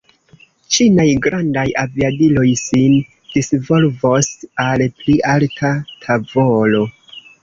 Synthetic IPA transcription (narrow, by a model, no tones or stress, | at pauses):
t͡ʃinajɡɾandajaviadilo̞jsin | d̥isvo̞lvo̞salpliʔaltʰatʰavo̞lo̞